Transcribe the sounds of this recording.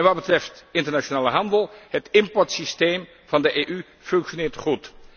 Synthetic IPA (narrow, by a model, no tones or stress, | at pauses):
nʋɑtd̚bətrɛftɪntəɹnat͡ʃonaːləɦɑndəlˠhətɪmpɔɹtsisteːm | v̥ɑndəʔeːʔy | fɵŋkʃonɪːɹtχut